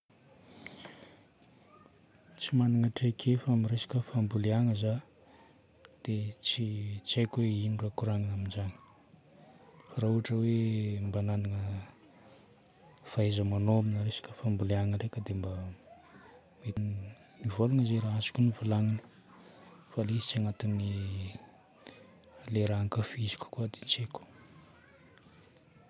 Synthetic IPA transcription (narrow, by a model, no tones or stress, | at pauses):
t͡simanaŋəʈ͡ʂekʰefamiɾesḁkəfambuleaŋəza | d̪̥et͡sit͡sajkʲweinurakuɾaŋanaminzani̥ | faɾauaʈ͡ʂəwembanand̪iŋə | faezəmanoaminəɾesi̥kʲə̥fambuleaŋəɾekʲəd̪emba | me | nivolunəzeɾaasi̥kʲunivulaŋinə̥ | falesi̥t͡saŋat̪ini | leɾaaŋkafizi̥kʲu̥kuad̪et͡ʃeku̥